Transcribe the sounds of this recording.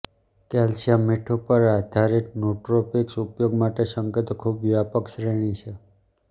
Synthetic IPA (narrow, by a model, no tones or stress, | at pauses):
kɛlʃameʈʰupəɾad̪ʱaɾiʈ̪nuʈɾopiksupjoɡmaʈeʃəŋket̪okʰubʋjapəkʃɾeɽ̃it͡ʃʰe